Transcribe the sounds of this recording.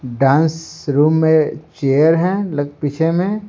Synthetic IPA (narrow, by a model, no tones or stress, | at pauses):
ɖãːnsɾuːmːẽt͡ʃeːjəɾɦɛ̃lɐɡpɪt͡ʃʰemẽ